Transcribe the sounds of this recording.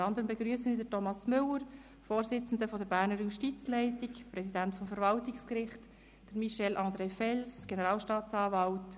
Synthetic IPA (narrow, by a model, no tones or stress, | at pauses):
ɑndəɾəmbeɡɾyəsənidəɾtɔmɑsmʏləɾ | foːɾsɪt͡sn̩dəfɔdəɾbæːɾnəɾjuʃtit͡slɛɪtɪkpɾɛsidæntfɔmfəɾvɑltɪkskɾɪχt | d̥əɾmiʃɛlʔɑndɾɛːfɛlsɡ̥enəɾɑːlʃtɑːtt͡sɑːvɑlt